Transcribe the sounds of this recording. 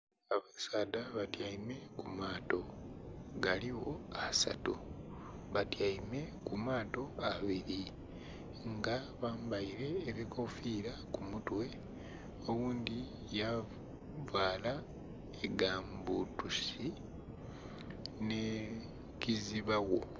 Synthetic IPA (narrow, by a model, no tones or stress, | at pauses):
aβasaːdaβatjaime̞kumaːto̞ | ɡaliwo̞asa̰tu | βatjaime̞kumaːto̞aβiɾi | ŋɡa | βaːmbaiɾe̞ːβiko̞fiɾakumutwe̞ | o̞wuːnd̪i | ja | vaːla | eɡaːmbutusi | ne | kiziβawo̞